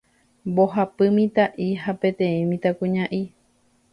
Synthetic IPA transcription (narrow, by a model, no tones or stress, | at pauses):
bo̞ɦapɨmĩt̪aʔiɦapẽ̞t̪ẽ̞ĩmĩt̪akũɲãʔi